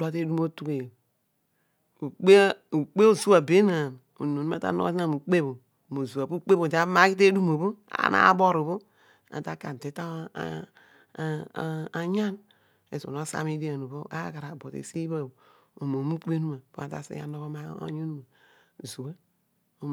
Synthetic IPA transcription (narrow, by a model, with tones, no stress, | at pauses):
da˦te˦du˦mo˦tu˦ke˨ | u˨k͡pe˦u˨k͡pe˦o˦˨zu˦a˨be˦na˨m | o̰˨no˨nu˦a̰˦ta̰˦no̰˦sna˦˨mu˨k͡pe˦bo˨ | mo˨zu˨a˨pu˦k͡pe˦bo˨ta˦ma˦ki˦te˦du˦mo˨bo˦a̰˨˦na̰˦bo˦ɾo˨bo˦ | a̰˨ta˦ka˨te˨˦ta˦ | a˨ɲa˦n | ḛ˨so̰˨no˦sa̰˦mi˦di˦a˨no˨bo˦ʔa̰˦ka˨ɾa˨bo˨tḛ˨se˦ba˦˨o˨ | o˨mo˨mu˦k͡pe˦nu˦ma˨po˦a˨ta̰˦˨sḭ˦a̰˨no˦βo˦ma˦o̰˦ɲo˦nu˦ma˨ | zu˨a˦ | o˨